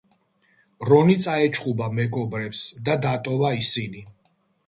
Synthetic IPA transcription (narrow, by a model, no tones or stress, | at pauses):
ɾɔnit̪sʼaɛt͡ʃʰχʼubamɛɡɔbɾɛpsd̪ad̪at̪ʼɔvaisini